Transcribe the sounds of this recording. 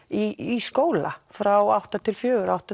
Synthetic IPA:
iiskoːwla̰fɾawawht̪at̪ʰɪlfjœːɣʏɾawht̪a

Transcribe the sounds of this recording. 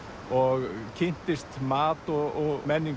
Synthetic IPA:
ɔɣcʰɪn̥t̪ɪst̪maːt̪ɔɣɔɣmɛnːiŋ

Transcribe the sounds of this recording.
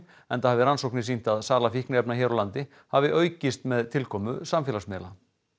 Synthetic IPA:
ɛnθahavɪɾansowknɪsin̥t̪aðsaːlafihknɪɛpnaçɛːɾɔlant̪ɪ | havɪʔœːɥcɪst̪mɛðt̪ʰɪlkʰɔːmʏsamfɛːlasmɛːla

